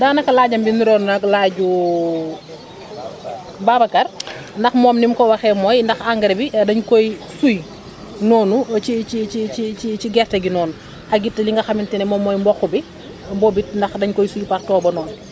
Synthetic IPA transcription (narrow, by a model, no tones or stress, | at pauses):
daːnɐkalaːɟɐmbiniɾɔnunɐklaːɟu | baːbakɐɾ | ndɐxmɔːmnimkɔwaxɛmɔjndɐxaŋɡɐɾbidɐɲkojsuj | nɔːnut͡ʃit͡ʃit͡ʃiiit͡ʃiɡɛrtɐɡinɔːn | ɐɡitːɐliŋɡɐxɐmintinɛmɔmɔjmbɔxubi | mbɔbit̚ndɐxdɐɲkɔjsujpaktɔːbɐnɔːn